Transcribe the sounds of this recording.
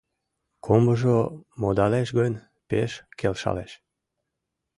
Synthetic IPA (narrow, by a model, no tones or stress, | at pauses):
kʰombəʒomod̪ɑleʃɣənʲ | peʃkelʃɑ̰leʃ